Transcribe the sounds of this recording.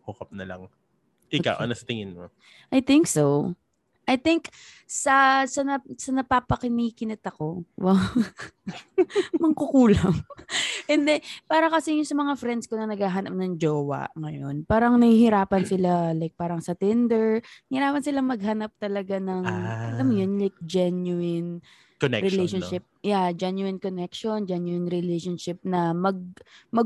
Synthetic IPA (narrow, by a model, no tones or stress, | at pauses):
hʊkɐp̚nɐlɐ̰ŋ | ʔɪka̰wʔɐ̰nɐsɐt̪ɪŋɪnmo̰ | ʔajt̪ɪŋkso | ʔɐjt̪ɪŋksɐsɐnɐsɐnɐpaːpɐkɪniːkɪnɐt̪ɐko̞wɐŋ | mɐɡkʊkuːlɐŋʔɛnd̪ɛpaːɾɐkɐsɛjʊnsɐmɐŋafɾɛnd̪skonɐnɐɡhaːɦɐnɐp̚nɐŋd͡ʒoːwɐ̰ŋɐjonpaːɾɐŋnɐhihɪɾaːpɐnsɪlalajk̚paːɾɐŋsɐt̪ɪnd̪ɛɹnɐhɪɾaːpɐnsɪlaŋmɐɡ̚hɐnɐp̚t̪ɐlɐɡanɐŋɐd̪ɐmjonlajk̚d͡ʒɛnjuɪn | kɛɾɪlejʃɔnʃɪp̚jad͡ʒɛnjuɪnkonɛkʃond͡ʒɛnjuɪnɾɪlejʃonʃɪp̚nɐmɐɡ̚mɐɡ